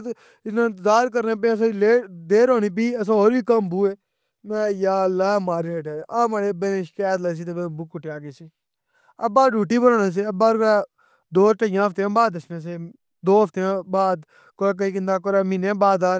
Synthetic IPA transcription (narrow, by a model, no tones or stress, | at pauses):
t̪ | ɪsnãːzaːɾk̬əɾnẽːp̬ẽs̬ãːleːd̪eːɾoːniːp̬iːəs̬ãːɦoːɾiːkəmbuːeː | mɛ̃ːjaːlaːmaːɾiːseʈeːãːmaːɽeːbenẽːʃkɛːt̪ləs̬iːt̪eːbẽbʊkːʊʈeaːɡeːsiː | ə̰bːaːɖuːʈiːbəɾãːnãːs̬eːəbːaːɾɾaː | d̪oːɾʈəjãːft̪eãːbaːd̪əsnãːs̬eː | d̪oːəft̪eãːbaːd̪ | koɾːk̬əiːk̬ɪnd̪aːk̬oɾaːminẽːbaːd̪aːɾ